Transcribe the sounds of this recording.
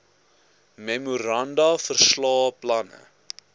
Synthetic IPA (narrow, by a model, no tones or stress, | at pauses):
memuɾɐndɐfərslɑːplɐnə̰